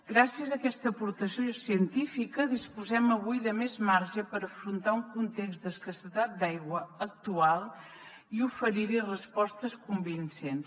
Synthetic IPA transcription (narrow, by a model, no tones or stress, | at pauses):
ɡɾasiəzəkɛst̪əːpuɾt̪əsjosiənt̪ifikəðispuzɛməβ̞ujðəmezmaɾʒəpəɾəfɾunt̪auŋkunt̪ekzd̪əskəsət̪at̪̚d̪ajɣwəək̚t̪ualˠ | iufəɾiɾirəspɔst̪əskumbinsens